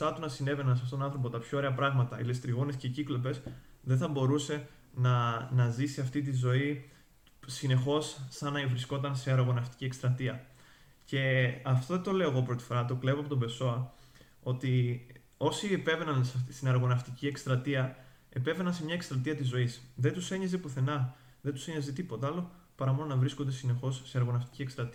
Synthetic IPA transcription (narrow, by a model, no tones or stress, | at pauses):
ɐt̪unɐsine̞ve̞nɐnseɐft̪ot̪onɐ̃nθɾo̞p̬ot̪ɐpço̞oɾeɐpɾɐɣmɐt̪ɐḭlest̪ɾiɣone̞sceciklo̞pe̞sðe̞nθɐbo̞ɾuse̞ | nɐnɐzisiɐft̪it̪̬izo̞i | sine̞xo̞sːɐnɐivɾisko̞t̪ɐnseɐɾɐɣo̞nɐft̪i̥ciekst̪ɾɐt̪iɐ | ce̞ɐft̪oet̪o̞le̞o̞eɣo̞pɾo̞t̪i̥fo̞ɾɐt̪o̞kle̞voɐpot̪ombe̞so̞ɐ | o̞t̪i | o̞siepe̞ve̞nɐnsɐst̪inɐɾɣo̞nɐft̪iciekst̪ɾɐt̪iɐe̞pe̞ve̞nɐnse̞mɲɐekst̪ɾɐt̪̬iɐt̪izo̞isðet̪use̞ɲɐzepuθe̞nɐ | ðet̪u̥seɲɐzet̪ipo̞t̪ɐɐlo̞ | pɐɾɐmo̞nonɐvɾiskond̪e̞sine̞xo̞sːeɐɾɣo̞nɐft̪i̥ciekst̪ɾɐt̪iɐ